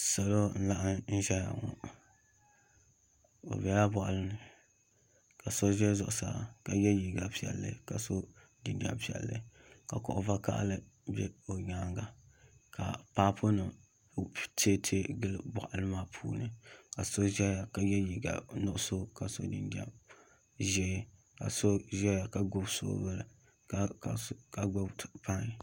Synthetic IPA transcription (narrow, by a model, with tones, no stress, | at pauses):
sa˨lo˦n̩˦la˦ʔa˦nn̩˦ʒɛ˦ja̰˨ŋɔ̰˨ | o̰˨bɛ˨ja˦bɔ˨ʔa˨lɨ˦nɨ˨ | ka˨so˦ʒɛ˦zʊ˨ʔʊ˨sa̰˦˨ka˨jɛ˦ji˨ɡa˨pi˦˨ɛ̰˨lːɨ̰˦ka˨so˦ | di˨ndi˨a̰˦mpi˨ɛ̰˨lːɨ̰˦ | ka˨kɔ˨ʔʊ˨va˦ka̰˦ʔlɨ˦ | bɛ˦o˨ɲaː˦ŋɡa˨ka̰˨paː˦pʰo˦nɨ˨ | tʰe˦tʰe˦ɡɨ˦lɨ˦bɔ̰˨ʔa˨lɨ˦maː˦pʰṵː˦nɨ˨ka˨so˦ʒɛ˦ja˨ka˨jɛ˦ji˨ɡa̰˨nʊ˦ʔʊ˦so˦ka˨so̰˦dɨ˨nda̰˦m | ʒɛ˦ | ka̰˨so˦ʒɛ˦ja˨ka˨ɡʊ˦bso̰˦bɨ˦lɨ˨˦˨ | ka˨ɡʊ˦bpa˦ŋ˨